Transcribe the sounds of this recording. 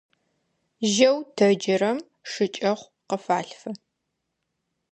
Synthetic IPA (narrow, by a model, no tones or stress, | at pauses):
ʒɐwtʰɐd͡ʒɪɾɐm | ʂɨt͡ʃʼɐχʷ | qəfaːɬfɐ